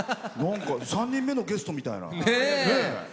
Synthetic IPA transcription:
nãŋkɑsãɲ̟ːĩmːe̞no̞ɡe̞sɨ̥t̪o̞mʲit̪a̰ḭna̰ene

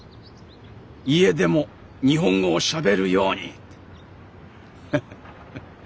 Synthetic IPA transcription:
ie̞d̪e̞mo̞ | ɲ̟iɦõ̞ŋɡoːɕabe̞ɾɯ̟jo̞ːɲ̟ḭ

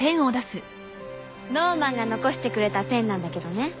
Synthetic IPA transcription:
pẽ̞ɰ̃o̞d̪asɨ | no̞ːmãŋɡano̞ko̞ɕi̥t̪e̞kɯ̟ɾe̞t̪apẽ̞nːãnd̪ake̞d̪o̞ne̞

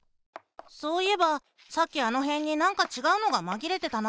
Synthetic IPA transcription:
so̞ːie̞ba | sakʲːiano̞ɦẽ̞ɲ̟ːinãŋkat͡ɕiɡaɯ̟no̞ɡamaɡʲiɾe̞t̪e̞t̪an

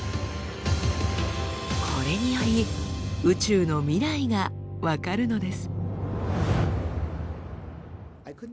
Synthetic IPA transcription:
kʰo̞ɾe̞ɲ̟ijo̞ɾʲiɯ̟t͡ɕɨːno̞mʲiɾaiɡaβakaɾɯ̟no̞d̪e̞sɨ̥

